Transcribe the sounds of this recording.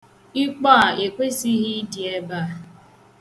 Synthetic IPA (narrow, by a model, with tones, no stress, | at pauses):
i˦k͡pɔ˦a˨e˨kʷe˦si˦ɦi˦di˨e˦ba˦˨